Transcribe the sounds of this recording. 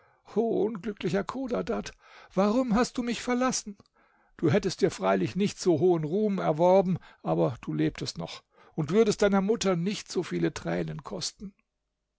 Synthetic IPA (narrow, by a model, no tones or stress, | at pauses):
ʔoːʔʊnɡlʏklɪçɐkʰoːdadat | v̥aʁʊmɦast̚d̥uːmɪçfɛɐlasn̩ | d̥uːɦɛtəstd̥iːɐfʁ̥aɪlɪçnɪçtz̥oːɦoːənʁuːmɛɐvɔɐbm̩ʔaːbɐd̥uːleːp̚tʰəstnɔ̰χ | ʊntv̥ʏɐdəst̚d̥aɪnɐmʊtɐnɪçtz̥oːfiːlətʁ̥ɛ̰ːnənkʰɔstn̩